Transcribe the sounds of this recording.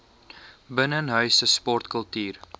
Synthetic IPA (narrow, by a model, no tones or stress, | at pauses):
bənənɦœɥsəspɔrtkəlˠtyːr